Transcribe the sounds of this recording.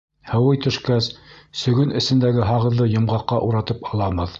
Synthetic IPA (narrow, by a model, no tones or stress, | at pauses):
hɤ̆wɤjt̪ɵ̆ʃkæssɵ̆ɡɵnɘ̆sɘ̆nd̪æɡɘɦɑʁɤ̆ðlˠɤjɤ̆mʁɑqːɑʔuɾɑt̪ɤpɑlˠɑmɤð